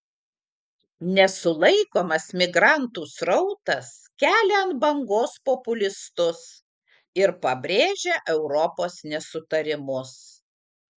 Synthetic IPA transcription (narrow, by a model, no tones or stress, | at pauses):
nʲɛsʊlˠɐɪkoːmɐsmʲɪɡɾɑnt̪uːsɾɔʊt̪ɐskʲæːlʲɛɐnt̪̚bɐŋɡoːspɔpʊlʲɪst̪ʊs | ɪɾpɐbʲɾʲeːʒʲeʔɛʊɾɔpoːsnʲɛsʊt̪ɐɾʲɪmʊs